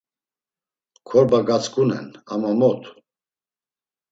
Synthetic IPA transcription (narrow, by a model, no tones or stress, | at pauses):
kʰɔɾbaɡat͡skʰunɛ̰namamɔt̪ʰ